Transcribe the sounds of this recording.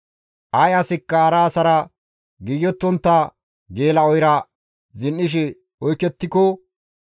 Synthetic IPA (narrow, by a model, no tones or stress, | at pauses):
ʔɐjɐsɪkːɐɐɾaːsɐɾɐ | ɡɪjːɔt̪ːɔnt̪ːa | ɡe̞ːlɐɔjɾɐ | zɪnːɪʃ̬ɛ | ɔjkːɛt̪ːɪkɔ